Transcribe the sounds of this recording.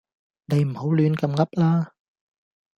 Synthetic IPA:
ne˨˧jm̩˨˩ho˨˥wlyː˨˧nkɐ˧mŋɐ˥p̚laː˥

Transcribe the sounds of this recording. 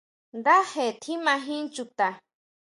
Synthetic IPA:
nd̪a˦he˨t̪ʰi˦mã˧ɦĩ˦nt͡ʃu˧t̪a˨

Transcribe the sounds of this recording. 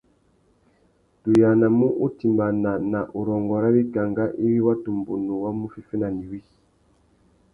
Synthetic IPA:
tu˨ja˨na˨mu˦ʔu˦ti˨mba˨na˨na˨ʔu˨ɾɔ˨ŋɡɔ˨ɾa˦wi˦ka˨ŋɡa˦ʔi˦wi˦wa˦tu˨mbo˨nu˨wa˦mu˦fi˦fe˦na˨ni˨wi˦˨

